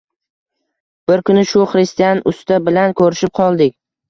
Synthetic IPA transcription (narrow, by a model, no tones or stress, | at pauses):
b̥ɪɾkʰʊnɪʃʊχɾest̪ijanʊst̪abɪlankʰɵɾɪʃɪp̚qʰɒlˠd̪ɪkʲ